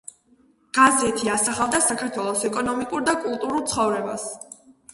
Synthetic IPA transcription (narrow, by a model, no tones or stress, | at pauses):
ɡ̥azɛt̪ʰiasaχavˠd̪asakʰaɾt̪ʰwɛlˠɔsɛkʼɔnɔmikʼuɾd̪akʼulˠt̪ʼuɾulˠt̪sʰχɔvɾɛba̰s